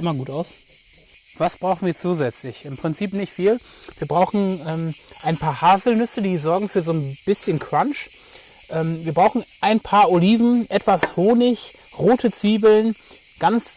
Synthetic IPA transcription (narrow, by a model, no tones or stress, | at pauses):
ʔɪmɐɡuːtaʊs | v̥asb̥ʁaʊxn̩viːɐt͡suːzɛt͡slɪçɪmpʁ̥ɪnt͡siːpnɪçtfiːlviːɐbʁaʊxn̩ʔɛːmʔaɪnpʰaːɐhaːzl̩nʏsədiːzɔɐɡŋ̩fyːɐzoːnb̥ɪsçənkʁ̥anʃ | ʔɛːmviːɐbʁaʊxn̩ʔaɪnpʰaːɐoliːvn̩ʔɛtv̥ashoːnɪçʁoːtʰət͡siːbl̩n | ɡ̥ant͡s